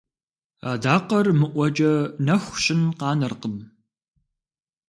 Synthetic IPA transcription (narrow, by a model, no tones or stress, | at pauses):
aːdaːqɐrmɨʔʷɔd͡ʒɐnɐxʷɕʼɪnqɑːnɨrqəm